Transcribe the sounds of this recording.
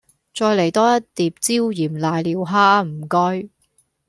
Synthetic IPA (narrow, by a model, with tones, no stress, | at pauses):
t͡sɔː˧jle˨˩jt̪ɔː˥jɐ˥t̚t̪ːiː˨p̚t͡siː˥wjiː˨˩mlaː˨˧jliː˨˧wɦaː˥m̩˨˩kɔ˥ɥ